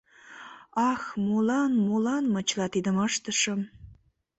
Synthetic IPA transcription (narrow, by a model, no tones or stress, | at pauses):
ɑxmolɑnmolɑnmət͡ɕlɑt̪id̪əməʃt̪əʃə̆m